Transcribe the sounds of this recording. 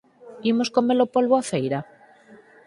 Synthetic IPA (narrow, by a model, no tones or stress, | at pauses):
imoskomelopolβoaθejɾa